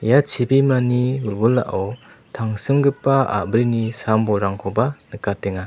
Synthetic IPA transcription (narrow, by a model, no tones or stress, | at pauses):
jat͡ʃʰibimaniulɡula̰ʔaw | tʰaŋsɯmɡɯpːaa̰bɾinisambɔɾaŋkʰɔbanɯkateŋa